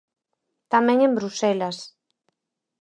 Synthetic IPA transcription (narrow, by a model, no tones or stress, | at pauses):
t̪amẽŋembɾusɛlas